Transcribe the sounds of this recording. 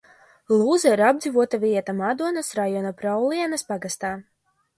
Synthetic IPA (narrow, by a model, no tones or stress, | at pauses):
lˠuːzaiɾab̚d̪zivuɔt̪aviɛt̪amad̪uɔnɐsɾajɔnapɾawlˠiɛnɐspaɡast̪aː